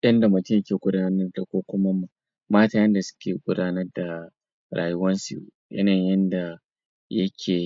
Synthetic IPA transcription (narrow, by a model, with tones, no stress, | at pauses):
jɐ˦nda˨mʊ˨tɪ˦mjkʲeː˨ɡʷʊ˦daː˦nɐ˦rda˨kʷoː˦kʷʊ˦ma˦ma˨ | maː˦taː˨jɐ˦nda˨sʊ̥˦kʲeː˨ɡʷʊ˦daː˦nɐ˦rda˨ | ɾa̰ː˨jʊ˦wɐ˦nsṵ˨ | ʔɐ̰˦nɐ˨ɲjɐ˦nda˨ | jɐ˦kʲʰeː˨